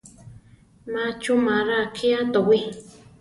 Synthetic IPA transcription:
mat͡ʃumaɾakʰiat̪owi

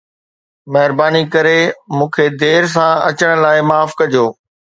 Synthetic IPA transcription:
mɐɦɪɾbaːnikɐɾemũːkʰed̪eːɾs̬ãɐ̰t͡ɕəɽ̃̆laːɪmaːfkɐd͡ʑʱoː

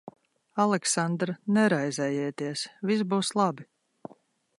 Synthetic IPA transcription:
alˠɛksand̪ɾnɛɾajzɛjɛːt̪iɛsvis̬buːslˠabi

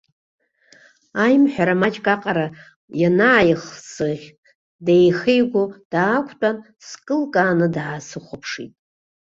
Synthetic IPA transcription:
ajmħᶣaɾamat͡ʃʼkʼaqʼaɾa | janaːjχsɨʁʲ | dejχejɡʷod̥aːkʷʰt͡pʼan | skʼɨlkʼanɨdʕasɨχʷʊpʰʂḭtʼ

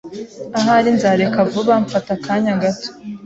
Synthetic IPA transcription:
aɦaɾinzaɾekavuβaɱfatakaɲaɡato̥

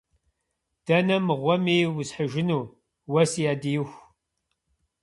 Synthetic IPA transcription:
d̥ɐnɐmɨʁʷɔmiːwʊzħəʒɪnuː | wɐsijaːdijɪxʷ

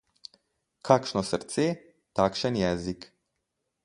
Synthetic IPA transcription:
kʰaːkʃnɔsəɾt̪seː | t̪akʃənjɛːzik

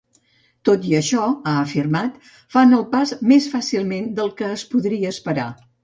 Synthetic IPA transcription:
t̪ot̪iəʃɔaəfirmat̪ | fanəlˠpazmesfasilˠmend̪əlˠkəːspuðɾiəːspəɾa̰

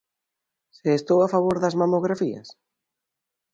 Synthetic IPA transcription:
seːst̪owafaβ̞oɾðɐzmamoɣɾafiɐ̰s

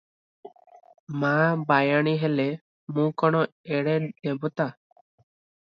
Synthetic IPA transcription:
mãːbajaɽ̃iɦɛlɛ | mũkɔɽ̃ɔɛɽɛdɛbɔt̪a

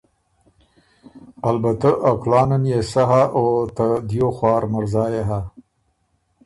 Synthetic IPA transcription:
albat̪aʔaklɑːnanjesaɦaʔot̪ad̪joxwɑːɾmaɾzɑːjeɦa

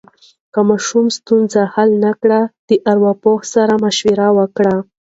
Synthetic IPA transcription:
kamɑʃumst̪unzahalnakɽad̪̥əʔaɾwapohsaɾamaʃwiɾawəkɽa

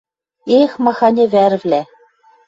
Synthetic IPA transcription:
exmɑxɑnʲĕvæɾɘ̆vlʲæ

